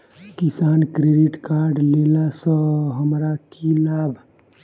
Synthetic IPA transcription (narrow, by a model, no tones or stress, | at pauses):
kɪsaːnkɾeɖiʈkaːɾɖleːlasə̃ɦəmɾakʰilaːbʱ